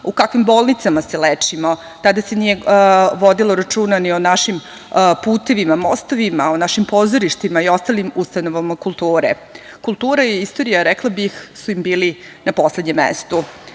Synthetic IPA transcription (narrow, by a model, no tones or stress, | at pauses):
ukakʋimboːlˠnit̪samaselet͡ʂimo | t̪ad̪asenije̞ʋo̞d̪iloɾat͡ʃuːnanionaʃim | puːt̪e̞ʋimamost̪o̞ʋimaonaʃimpozoɾiʃt̪imaio̞st̪alimust̪anoʋamakulˠt̪uːɾḛ | kulˠt̪uːɾaiist̪o̞ɾijaɾɛklˠabixsuimbiːlinapo̞sled̪ɲemːḛst̪u